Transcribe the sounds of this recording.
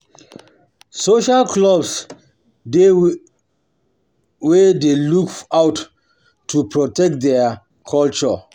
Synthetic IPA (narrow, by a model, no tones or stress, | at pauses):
soʃalkʰlɔbs | de | wɛdelukawtʰː | upʰɹɔtɛk̚t̚dɛa | kʰɔlt͡ʃɔ